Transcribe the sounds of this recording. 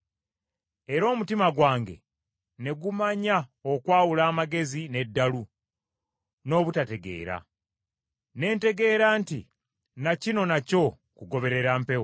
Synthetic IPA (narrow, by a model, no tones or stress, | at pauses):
e̞ɾo̞ːmutimaɡwaːŋɡe̞̰ | ne̞ɡumaɲaokwaːwulaːmaɡe̞zine̞dːalu | no̞ːβutate̞ɡe̞̰ːɾa̰ | ne̞ːnte̞ɡe̞ːɾaːntḭ | nacino̞naco̞ | kuɡo̞βe̞ɾe̞ɾaːmpe̞wo